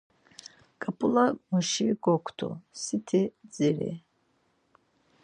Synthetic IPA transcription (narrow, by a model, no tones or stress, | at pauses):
kʼapʼulamɔʃiɡɔkʷʰt̪ʰɔ̰sit̪ʰɛd͡ziɾɛ̰